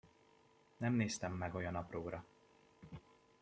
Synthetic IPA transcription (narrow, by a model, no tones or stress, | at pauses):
nɛmneːst̪ɛmːɛɡo̞jɒnɒproːɾɒ